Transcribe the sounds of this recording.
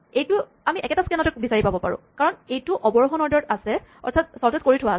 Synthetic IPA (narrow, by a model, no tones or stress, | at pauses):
ejtʊ | amiʔɛkɛtaskɛnɔtɔkbisaɹipabɔpa̰ɹʊ̰̃kaɹɔnejtʊʔɔbɔɹxɔnɔɹdɔtasɛɔ̰ɹtʰat̚sɔɹtɔt̚koɹitʰʊwa